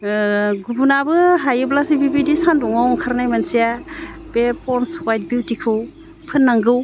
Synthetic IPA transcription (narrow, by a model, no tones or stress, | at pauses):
ɡubunabɯɦajɯblasibibidisandɔŋawŋkʰaɾnajmansijabepʰɔɾnswajt̚biwtikʰɯw | pʰɯnːaŋɡɯw